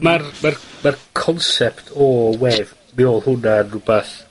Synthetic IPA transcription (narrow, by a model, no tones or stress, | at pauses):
marmarmarkʰɔnsɛptʰɔwɛv | mɪɔlˠhʊnanrʊbaθ